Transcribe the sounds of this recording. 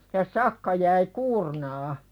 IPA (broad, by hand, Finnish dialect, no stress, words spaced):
jɑ sɑkːɑ jæi kuːrnɑː